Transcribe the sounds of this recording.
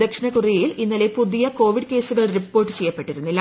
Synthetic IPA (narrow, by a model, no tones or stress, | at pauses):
ekʂinɐkurijilinːɐle̞puðijɐko̞ːʋiɽɨke̞ːsuɣɐɭripːo̞ːrʈːɨt͡ɕe̞jːɐpːeʈːiɾunːulɐ